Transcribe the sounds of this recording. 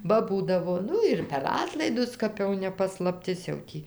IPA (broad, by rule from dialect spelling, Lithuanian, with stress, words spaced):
ˈbɐ ˈbuːdɐʋoː ˈnʊ ɪr pʲɛr ˈɑːtlˠɐɪdʊs ˈkɐp jɛʊ nʲɛ pɐslˠɐpʲˈtʲɪs jɛʊ ˈtʲiː